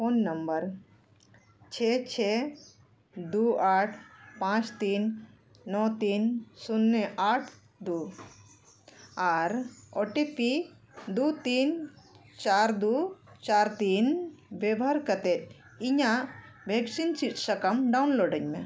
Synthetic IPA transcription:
poːnːɐmbəɾ | t͡ʃʰeːt͡ʃʰe | d̪uaːʈʰpãːt͡ʃt̪iːnː | ɔt̪iːnsunːeʔaːʈʰ | d̪u | aːɾoʈipi | d̪uːt̪iːnt͡ʃaːɾd̪ut͡ʃaːɾt̪iːnʋebʱɐɾkɐt̪et̪ | iɲaʋʱeksint͡ʃiʈsɐkɐmɖaunloːɖəɲmẽ

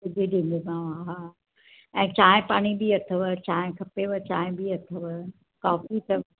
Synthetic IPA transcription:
ɐd͡ʒiɗĩːnd̪emãʋãɦa | ɛ̃ːt͡ɕaːɦɪ̃paːɽ̃ibiɐt̪ʰəʋət͡ɕaːɦɪ̃kʰɐpeʋət͡ɕãːɦɪ̃biɐt̪ʰəʋə | kaːfit̪ɐʋ

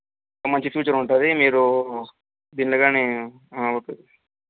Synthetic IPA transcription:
kɐmɐɲt͡ʃipʰjuːt͡ʃɐɾuɳʈund̪imiːɾu | d̪iːnlɐːɡaːneː | ʋoʈːui

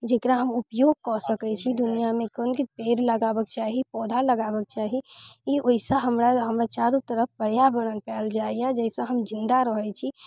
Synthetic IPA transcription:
d͡ʒekɾaɦəmupjoɡ̚kɔsəkɛt͡ʃʰid̪unijamekənkipeɾləɡabəkt͡ʃaɦipɔd̪ʱaləɡabək̚t͡ʃaɦiioisəɦəmɾaɦəmɾat͡ʃaɾut̪əɾəp̚pəɽjabəɾ̃ənpɛld͡ʒaijɛd͡ʒɛjsə̃ɦəmd͡ʒind̪aɾəɦɛt͡ʃʰi

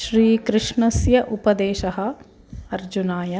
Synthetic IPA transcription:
ʃɾiːkɾɪʂɳɐsjɐʔupɐd̪eːʃɐɦɐ̆ | ɐɾd͡ʒunaːjɐ

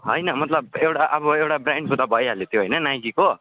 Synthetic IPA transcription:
ɦʌjnʌmʌt̪lʌb̚ewʈaʔʌbʌewʈabɾaɳɖsʰut̪abʱʌjɦaljet̪ʰjoɦʌjnʌnaj̃kiko

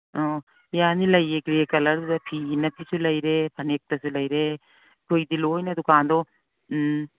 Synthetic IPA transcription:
oː | janilɐjekɾekɐlɐɾpʰiːnɐpʰisulɐiɾepʰɐnek̚t̪ɐsulɐiɾe | koid̪iloːinɐd̪ʊkaːnd̪o

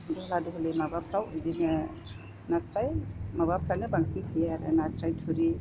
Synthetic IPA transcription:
duhɔladuɦɔlemabapʰɾawundinɐ | nasɾajmabapʰɾawnɐbaŋsintʰajaɾenasɾajtʰuɾi

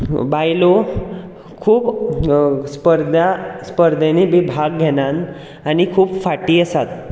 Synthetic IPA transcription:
bajlo | kʰuːp | spəɾd̪aspəɾd̪ʱenibibʱaɡɡʱeɽãn | añikʰuːpfaʈiːəsat̪̚

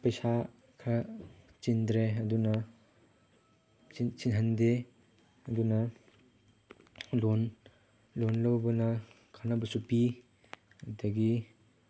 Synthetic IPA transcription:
pɐjsa | kʰɐ | t͡ʃind̪ɾeɐdunɐ | it͡ʃinɦɐnde | ɐdunɐ | lon | lonlɐwbɐnɐ | kʰanɐbɐsupi | ɐdɐɡi

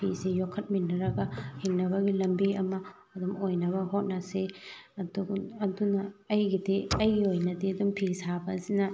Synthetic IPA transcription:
pʰisejokʰːɐt̚minːɐɾɐɡɐhiŋnɐbɐɡilɐmbiɐmɐ | ɐdumojnɐβɐɦot̚nɐseɐduɐdunɐɐjɡideɐjɡiojnɐdeɐdumpʰisabɐsinɐ

